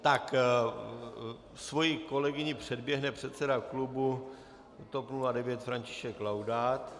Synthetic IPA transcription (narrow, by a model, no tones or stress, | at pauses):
t̪ak | svo̞jiko̞lɛɡɪɲɪpr̝̥ɛdbjɛɦnɛpr̝̥ɛt̪sɛdaklubu | t̪o̞pnuladɛvjɛt̪fɾaɲcɪ̥ʃɛklawdaːt̪